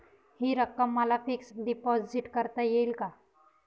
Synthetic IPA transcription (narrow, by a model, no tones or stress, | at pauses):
hiɾəkːəmːalafiksɖipɔːziʈkəɾt̪ajelka